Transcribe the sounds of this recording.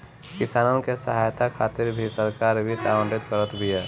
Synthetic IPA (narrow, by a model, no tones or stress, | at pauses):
kɪsaːnənkesəɦajt̪akʰaːt̪ɪɾbʱisəɾkaːɾbʱit̪abə̃ɳɖɪt̪kəɾət̪bʱije